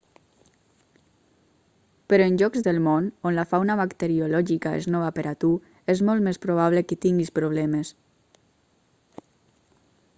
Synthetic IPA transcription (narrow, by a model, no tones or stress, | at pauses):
peɾɔenʲʒɔkzðelˠmononlafawnaβakt̪eɾiolɔʒikaḛznɔβapeɾʔat̪u | ezmɔlˠt̪mespɾoβ̞aβ̞lekət̪iŋɡispɾoβ̞lɛmes